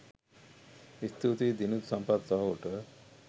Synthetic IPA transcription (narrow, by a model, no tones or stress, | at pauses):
ist̪ʰut̪id̪inut̪usɐmpad̪sɔɦooʈə